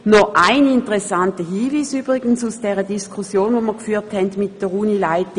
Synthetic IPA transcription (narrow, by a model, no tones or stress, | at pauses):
nɔʔaɪnɪntəʁɛsantəɦiːviːsyːb̥ʁɪɡən̩susd̥ɛːʁədiskʰusjoːnvoːməɐkfyːthɛndmɪt̚d̥əʁuːnilaɪtɪ